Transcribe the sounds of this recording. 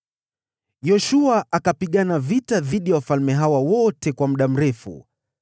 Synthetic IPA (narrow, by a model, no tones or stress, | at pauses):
jɔʃuaʔakapiɠanavitaðiɗiawafalmɛɦawawɔtɛkwam̩ɗam̩ɾɛfṵ